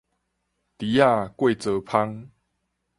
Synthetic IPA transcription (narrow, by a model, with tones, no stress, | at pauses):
t̪i˨˦a˥˧˨kwe˥˨t͡sə˨˧pʰa˦ŋ